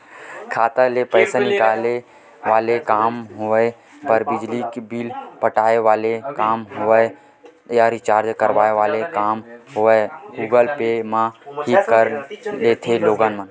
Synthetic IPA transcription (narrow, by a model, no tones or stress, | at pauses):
kʰaːt̪alepəːsanɪkaːle | ʋaːlekaːmɦoe | pəɾbɪd͡ʒlikbilpəʈaːeʋaːlekaːmɦoə | jaːɾit͡ʃaːɾd͡ʒkəɾʋaːeʋaːlekaːmɦoeɡuːɡəlpemãɦikəɾlet̪ʰeloːɡanmən